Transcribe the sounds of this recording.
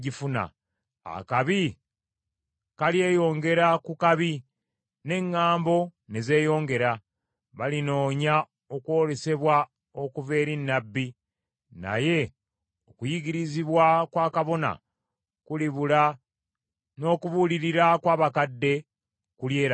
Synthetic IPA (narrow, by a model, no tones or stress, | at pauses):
ɟifuna̰ | a̰kaβi | kalje̞ːjo̞ːŋɡe̞ɾakukaβi | ne̞ŋːaːmbo̞ne̞ze̞ːjo̞ːŋɡe̞ɾa | βalino̞ːɲa | o̞kwo̞ːle̞se̞βwa | o̞kuve̞ːɾinːabːi | na̰je̞ | okujiɡiɾiziβwakwaːkaβo̞na̰ | kuliβula | no̞ːkuβuliɾiɾakwaːβakadːe̞ | kuljeːɾa